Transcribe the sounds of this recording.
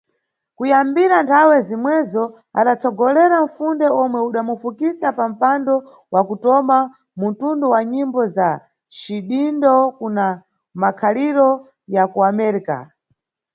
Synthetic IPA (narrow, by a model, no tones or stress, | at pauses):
kujambiɾantʰawɛzimwɛzɔ | a̰ɗat͡sɔɡɔlɛɾaɱ̩fundɛɔmwɛuɗamufukisapam̩pandɔ | wʔakutɔma | mutundɔwaɲimbɔza | ʃiɗindɔkuna | makʰaliɾɔ | jakuamɛɾika̰